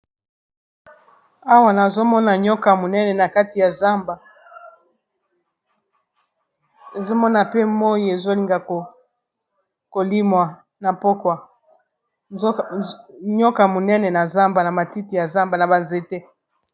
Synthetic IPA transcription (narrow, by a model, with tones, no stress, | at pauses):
a˦wa˦na˨zo˦mɔ˦na˨ɲɔ˦ka˨mo˨nɛ˦nɛ˨na˨ka˦ti˨ja˨za˦mba˨ | e˨zo˦mɔ˦na˨pe˦mo˦je˨zo˦li˨ŋɡa˨ko˨ | ko˨li˦mwa˨ | na˨po˦kwa˨˦ | ɲɔ˦ka˨mo˨nɛ˦nɛ˨na˨za˦mba˨na˨ma˨ti˦ti˨ja˨za˦mba˨na˨ba˨nze˨te˦